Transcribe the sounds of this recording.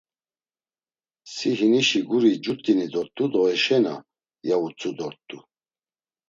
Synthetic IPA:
siɦiniʃiɡuɾid͡ʒut̪ʼinid̪ɔɾt̪ʼud̪ɔɛʃɛna̰ | jaut͡sʰʼud̪ɔɾt̪ʼu

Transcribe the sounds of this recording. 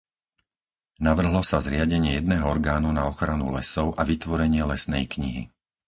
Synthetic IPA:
naʋr̩ɦlɔsazɾɪaɟɛɲɪɛjɛd̪nɛːɦɔɔɾɡaːnunaɔxɾanṵlɛsɔʊʔaʋit̪ʋɔɾɛɲɪɛlɛsnɛ̰jkɲḭɦḭ

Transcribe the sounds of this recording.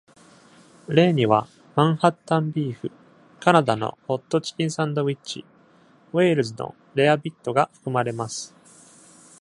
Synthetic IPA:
ɾe̞ːɲ̟iβ̞a | mãɰ̃hat̪ːãmbʲiːɸɯ̟ | kanad̪ano̞̰ho̞t̪ːo̞t͡ɕi̥kʲĩɰ̃sãnd̪o̞βit͡ɕḭ | we̞ːɾɯ̟zɨno̞̰ | ɾe̞abʲit̪ːo̞ɡaɸɯ̟̥kɯ̟maɾe̞masɨ̥

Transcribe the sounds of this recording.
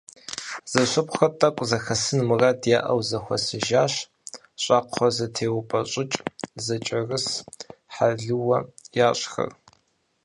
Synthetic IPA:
z̥ɐɕʷʊpʼxɐtʼɐkʷʼzɐxɐsɨnmɨradjaːʔɐwzɐxʷɔ̰sɨʒaːɕ | ɕʼɑːqʰʷɔzɐtʰeːwʊpʼɐɕʼɪt͡ʃʼzɐt͡ʃʼɐrɨsħaɮɨwɐjaːɕʼxɐ̰r

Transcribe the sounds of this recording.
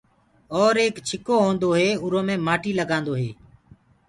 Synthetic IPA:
ɔːɾeːkt͡ʃʰɪkoːɦõːnd̪oːɦeːʊɾõːmẽːmaːʈiːləɡãːnd̪oːɦeː

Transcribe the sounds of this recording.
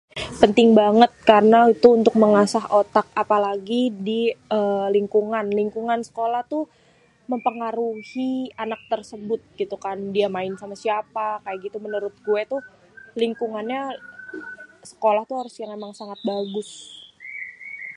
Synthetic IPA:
pənt̪ɪŋbaŋət̪̚kaɾənait̪uunt̪ʊk̚məŋasaɦot̪ak̚apalaɡidiəliŋkuŋanliŋkuŋansə̥kolaht̪u | məmpəŋaɾuhianak̚t̪ərsəbʊt̪̚ɡit̪ukandiamaɪnsamasiapakajaɡit̪umənəɾʊt̪̚ɡuet̪u | liŋkuŋanɲa | sə̥kolaht̪uɦaɾʊsjaŋemaŋsaŋat̪̚baɡʊs

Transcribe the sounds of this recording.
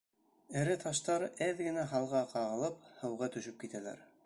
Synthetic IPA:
ɘ̆ɾɘt̪ʰɑʃt̪ɑɾɘðɡɘ̆næɦɑlˠʁɑqɑʁɤ̆lˠɤphɤ̆wʁɑt̪ɵ̆ʃɘp̚kit̪ælæ̰ɾ

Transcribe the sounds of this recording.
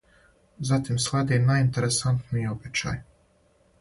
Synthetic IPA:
zat̪imslˠad̪inaint̪eɾesant̪nijobet͡ɕa̰j

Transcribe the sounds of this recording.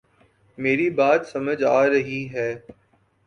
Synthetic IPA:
meːɾibaːt̪sɐməd͡ʒaːɾɐɦiɦɛː

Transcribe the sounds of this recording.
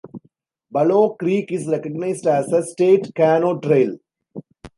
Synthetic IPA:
bɐloːkɾiːkɪsɾɛkəɡnaɪsɖæsəsʈeːʈkæːnoːʈɾeɪl

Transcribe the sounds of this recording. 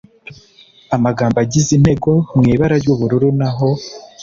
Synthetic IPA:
amaɡaːmbaɟizin̥he̞ɡo̞mŋiːβaɾaɾjɟuβuɾuɾunaɦo̞

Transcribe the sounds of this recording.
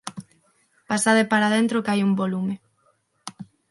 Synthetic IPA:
pasaðepaɾaðent̪ɾokajumbolume

